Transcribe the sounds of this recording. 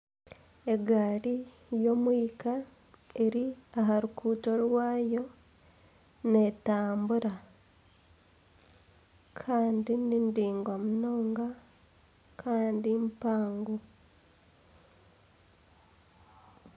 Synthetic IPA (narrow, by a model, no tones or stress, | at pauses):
e̞ɡaːɾi | jo̞mwiːka | eɾiaɦaɾukʰuːto̞ɾwaːjo̞ | netaːmbuɾa | kʰaːndinindiːŋɡwamunoːŋɡa | kʰaːndimpaːŋɡo